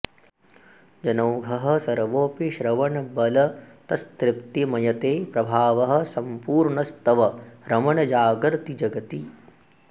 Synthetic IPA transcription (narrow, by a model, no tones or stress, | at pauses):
d͡ʒɐnɐwɡʱɐɦɐ̆sɐɾʋoːpiʃɾɐʋɐɳɐbɐlɐt̪ɐst̪ɾɪpt̪imɐjɐt̪eːpɾɐbʱaːʋɐɦɐ̆sɐmpuːɾɳɐst̪ɐʋɐɾɐmɐɳɐd͡ʒaːɡɐɾt̪id͡ʒɐɡɐt̪i